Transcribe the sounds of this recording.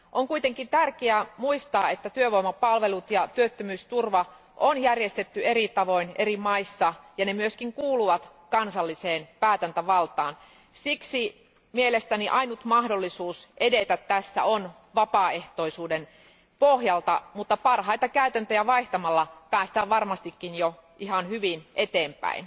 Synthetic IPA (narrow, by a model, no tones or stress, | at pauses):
ʔoŋkuit̪eŋkint̪ærkeæmuist̪ɑ̰ːet̪ːæt̪yøʋoimɑpɑlʋe̞lut̪jɑt̪yøt̪ːømyːst̪urʋɑ | ʔonjærjest̪et̪ːyeɾit̪ɑʋo̞inerimɑisːɑjɑnemyøskiŋkuːluʋɑt̪ | kɑnsɑlːiseːnpæːt̪ænt̪æʋɑlt̪ɑːn | siksi | mielest̪æniʔɑinut̪mɑhdolːisuːsʔedet̪æt̪tæsːæ̰on | ʋɑpɑeht̪oisuːden | pohjɑlt̪ɑmut̪ːɑpɑrhɑit̪ɑkæyt̪ænt̪øjæʋɑiht̪ɑmɑlːɑpæːst̪æːʋɑrmɑst̪ikːinjo | ʔihɑnhyʋinʔet̪eːmpæ̰in